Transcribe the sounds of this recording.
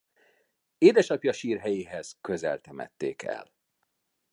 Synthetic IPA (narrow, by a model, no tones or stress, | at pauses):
eːd̪ɛʃɒpjɒʃiːrɦɛjeːɦɛz̥køzɛ̰lt̪ɛmɛ̰t̪ːeːkɛ̰l